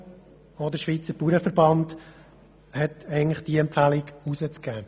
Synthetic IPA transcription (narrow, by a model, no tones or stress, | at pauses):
ɔd̪əʃʋiːt͡səɾpuːɾəfəɾbɑnd | hɛtɛɪŋlɪχd̥iəɛmpfælɪɡusət͡skæː